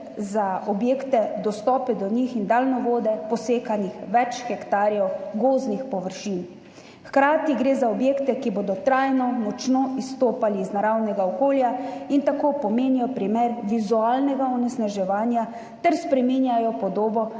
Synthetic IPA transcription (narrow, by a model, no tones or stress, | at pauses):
zaɔbjeːkt̪ɛd̪ɔst̪ɔːpɛd̪ɔnixind̪aːlnɔʋoːd̪ɛpɔseːkanixʋɛt͡ʃxɛkt̪aːɾjɛwɡoːznixpɔʋəɾʃin | xkɾaːt̪iɡɾeːzaɔbjeːkt̪ɛkiboːd̪ɔt̪ɾajnɔmɔt͡ʃnoist̪oːpaliːznaɾawnɛɡaɔkoːljaint̪akoːpɔmeːnijɔpɾimeɾʋizuaːlnɛɡaɔnɛsnaʒɛʋaːnja | t̪ɛɾspɾɛminjajɔpɔd̪oːbɔ